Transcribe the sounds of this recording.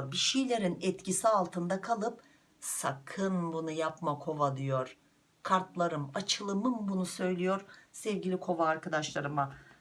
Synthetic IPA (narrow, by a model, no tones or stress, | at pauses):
ɾbiʃijlʲe̞ɾinɛt̪cisialˠt̪ʰɯnd̪akʰalˠɯp | sakʰɯnbunujapmakʰo̞vad̪ijo̞ɾ̥ | kʰaɾt̪lˠaɾɯmat͡ʃʰɯlˠɯmɯmbunusø̞jlʲijo̞ɾsɛvɟilʲikʰo̞vaːɾkad̪aʃlˠaɾɯma